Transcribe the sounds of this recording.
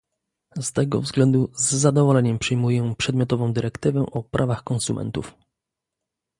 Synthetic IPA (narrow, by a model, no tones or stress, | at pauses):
st̪ɛɡɔ̰vzɡlɛnd̪uzːad̪ɔvɔlɛɲɛmpʂɘjmujɛpʂɛd̪mʲjɔt̪ɔvɔ̃w̃d̪ɘɾɛkt̪ɘvɛʔɔpɾʔavaxkɔnsumʔɛ̰nt̪uf